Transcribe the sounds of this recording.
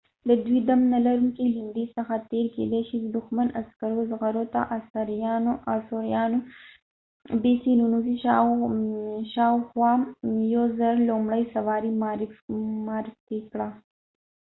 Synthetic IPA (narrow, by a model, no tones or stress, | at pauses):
d̪əd̪wid̪amnalaɾuŋkilɪmɖisəxat̪eɾkḛd̪aʃid̪əd̪ʊxmanaskaɾozɣaɾot̪a̰ʔasaɾjɑnoʔasoɾjɑno | besinunuzi | ʃɑwxwɑjozaɾlomɽajsawɑɾimɾfmɑɾɪft̪ikɽa